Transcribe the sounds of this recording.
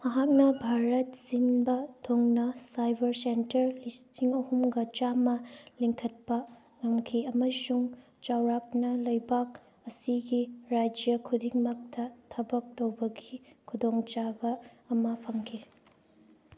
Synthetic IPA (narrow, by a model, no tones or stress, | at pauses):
mɐɦak̚nɐbʱaɾɐt̚sinbɐtʰoŋnɐsajbɐɾsentɐɾlistiŋɐhumɡɐt͡ʃamɐliŋkʰɐt̚pɐ | ŋɐmkʰiɐmɐsuŋ | t͡ʃawɾak̚nɐlɐjbak̚ | ɐsiɡiɾad͡ʒijɐkʰudiŋmɐk̚tɐtʰɐbɐk̚towbɐɡikʰudoŋt͡ʃabɐːmɐpʰɐŋkʰi